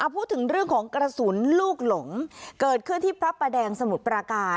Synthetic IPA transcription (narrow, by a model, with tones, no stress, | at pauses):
ʔa˧˩pʰuː˥˩t̪ʰːɯ˩˦ŋɾɯ˥˩əŋkʰɔː˩˦ŋkɾa˧su˩˦nluː˥˩k̚lo˩˦ŋkɤː˨˩t̪̚kʰɯ˥˩nt̪ʰiː˥˩pʰɾa˦˥pːa˧dɛː˧ŋsa˧mu˨˩t̪̚pɾa˧kaː˧